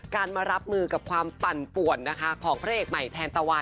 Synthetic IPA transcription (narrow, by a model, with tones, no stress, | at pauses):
kaː˧nma˧ɾa˦˥p̚mɯː˧ka˨˩p̚kʰwaː˧mpa˨˩npu˨˩ənːa˦˥kʰa˦˥kʰɔː˩˦ŋpʰɾaː˦˥ʔeː˨˩k̚ma˨˩jt̪ʰɛː˧nt̪a˧wa˧